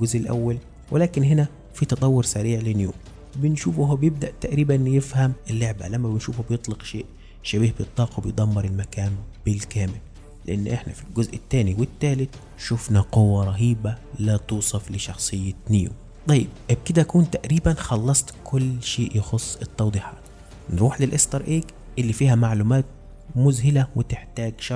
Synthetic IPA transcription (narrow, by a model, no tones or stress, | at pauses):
ɡʊzʔɪlʔæ̰wːæl | wʔɪlæːkɪnhenæ | fit̪ɑt̪ˤɑwːʊɾsæɾiːʕlɪnjṵːm | bɪnʃuːfhobjeb̚d̪æʔt̪æʔɾiːbænjɪfhæmɪlːoʕbæ̰læmːæbɪnʃuːfhbjet̪ˤleqʃeːʔ | ʃæbiːhbejet̪ˤlːɑːqwebejd̪ˤɑmːɑɾˤɪlmækæːnb̥ɪlkæːmɪlː | eʔanːʔeħnæfilɡʊzʔɪt̪ːæːniwɪt̪ːæːlɪt̪ | ʃʊfnæqowːæɾˤɑɦiːbælæːt̪uːsˤɑflɪʃɑxsˤɨjːɪniːṵ | t̪ˤɑjːɪb̚ʔɪb̚kɪd̪æʔækuːnt̪æʔɾiːbænxɑlːɑsˤt̪kʰʊlːʃeːʔjɪxosˤːɪt̪ˤːɑwd̪ˤiːħɑ̰ːt̪ | nɾuːħlɪlʔest̪ɑɾˤʔeːk | ʔɪlːifiːhæmaʕlumæːt̪̚ | mʊzhɪlæwɪt̪ɪħt̪æːɡʃɑ